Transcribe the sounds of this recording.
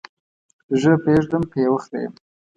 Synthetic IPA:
ʒəpeʐd̪əmpewəxd̪ḛjə̰m

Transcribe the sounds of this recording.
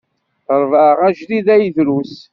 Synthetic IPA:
ɾˤvəʁæʒðiðæjðɾus

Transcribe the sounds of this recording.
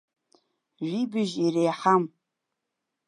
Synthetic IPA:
ʒʷibɨʒirejħam

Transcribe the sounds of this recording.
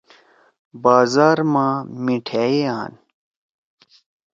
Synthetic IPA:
baːzaːɾmãːmiʈʰeeaːn

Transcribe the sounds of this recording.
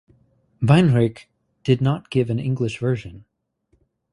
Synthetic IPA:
vãnɹɪk | d̥ɨdⁿnət̚ɡ̥ɪvɨ̃nɪ̃ŋɡlɨʃvɜ˞ʒɨ̃n

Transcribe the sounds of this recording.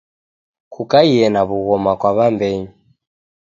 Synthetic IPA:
kʰukaiɛnaβuɣɔmakwaβambɛɲi

